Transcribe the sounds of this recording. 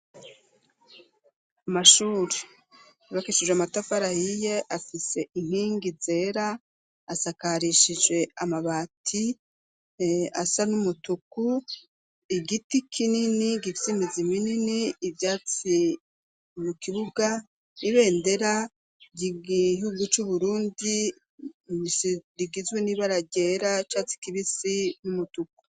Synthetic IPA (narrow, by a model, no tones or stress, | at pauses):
amaʃuːɾe | iβakeʃid͡ʒweamatafaɾahije̞ʔafise̞ʔin̥hiːŋɡize̞ɾaː | sakaɾiʃid͡ʒwe̞amaβaːtʰi | asanumutuku | iɡitikʰininiɡifisimizimininiːvjaːt͡si | mukiβuɡa | iβe̞ːnde̞ɾa | ɟiɡiɦuɡut͡ʃuβuɾuːndi | siɾiɡizweniβaɾaɟe̞ːɾat͡ʃat͡si̥kiβisinumutuk̚u̥